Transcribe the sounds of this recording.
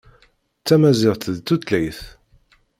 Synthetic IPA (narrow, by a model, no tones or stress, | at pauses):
t͡sːæmæzɪʁt̪ðt͡s̪ːut̪læjθ